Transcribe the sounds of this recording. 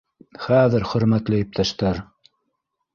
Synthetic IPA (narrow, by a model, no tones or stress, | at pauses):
χæðɘɾχɵ̆ɾmæt̪lɘjɵ̆p̚t̪æʃt̪æɾ